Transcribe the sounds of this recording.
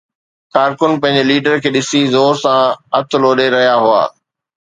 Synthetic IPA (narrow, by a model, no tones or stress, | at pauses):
kaːɾkʊnpɐ̃ɦɪ̃ɲ̆d͡ʑeliːɖəɾkʰeːɗɪsizoːɾsãɐt̪ʰloːɗeɾɐɦijaɦʊa̰ː